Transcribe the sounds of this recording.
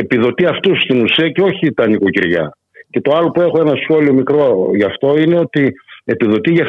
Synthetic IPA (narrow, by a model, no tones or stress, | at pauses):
epiðo̞t̪iɐft̪ust̪inusiɐce̞o̞çit̪ɐniko̞ciɾʝɐ̰ | ce̞t̪o̞ɐlo̞pue̞xo̞enɐsxo̞lio̞mikɾo̞ʝɐft̪o̞ine̞o̞t̪ie̞piðo̞t̪iʝɐ